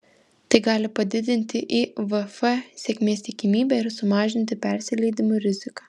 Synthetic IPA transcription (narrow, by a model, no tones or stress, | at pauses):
t̪ɐɪɡɑːlʲɪpɐd̪ʲɪd̪ʲɪnʲt̪ʲɪʔiʋɛfɛsʲeɛkʲmʲeːst̪ʲɪkʲɪmʲiːbʲɛɪɾsʊmɑːʒʲɪnʲt̪ʲɪpʲɛɾʲsʲɪlʲɛɪd̪ʲɪmʊɾʲɪzʲɪkɑː